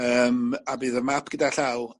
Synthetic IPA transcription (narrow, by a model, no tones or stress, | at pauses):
əːmabɨːðəmapɡ̥ədaɬaw